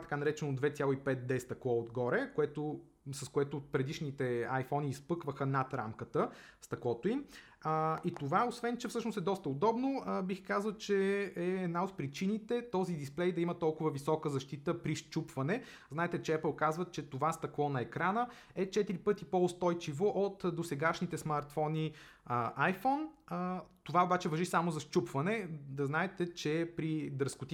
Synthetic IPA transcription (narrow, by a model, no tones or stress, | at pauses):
t̪ɐ̥kanɐɾɛt͡ʃɛnod̪vɛt̪sʲjalˠoipɛt̪̚d̪ɛst̪ɐklˠɔod̪ɡɔɾɛkoɛt̪o | sɐskoɛt̪ʊpɾɛd̪iʃnit̪ɛajfɔniːspɤkvəxənat̪ɾa̰mkət̪əst̪ɐklˠɔt̪ʊim | it̪ovaosvɛnt͡ʃɛfsɤʃnosɛd̪ɔst̪əod̪ɔbnobixkazəlˠt͡ʃɛɛːd̪naot̪̚pɾit͡ʃinit̪ɛt̪ɔzid̪isplɛjd̪ɐimət̪ɔlˠkʊvəvisɔkəzɐʃt̪it̪əpɾiʃt͡ʃupvɐnɛ | znaɛt̪ɛt͡ʃɛɛpəlˠkazvət͡ʃɛt̪ovast̪ɐklˠɔnɐɛkɾanə | ɛt͡ʃɛt̪iɾipɤt̪ipoʊst̪ɔjt͡ʃivoʔot̪d̪osɛɡaʃnit̪ɛsmaɾt̪fɔni | ʔajfɔn | t̪ovaobat͡ʃɛvɐʒisamozɐʃt͡ʃupvɐnɛd̪ɐznaɛt̪ɛt͡ʃɛpɾid̪ɾɐskʊt̪i